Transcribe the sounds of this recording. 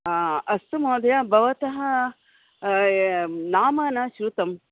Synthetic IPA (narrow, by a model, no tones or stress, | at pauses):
ɐst̪umoːd̪ɐjɐbʱɐʋɐt̪ɐɦɐ | naːmɐːnɐʃɾut̪ɐm